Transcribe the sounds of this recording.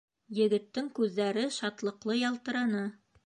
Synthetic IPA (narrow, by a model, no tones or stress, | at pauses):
jɘ̆ɡɘ̆t̪ːɘŋkʉðːæɾɘʃɑt̪lˠɤ̆qlˠɤjɑlˠt̪ɤ̆ɾɑnɤ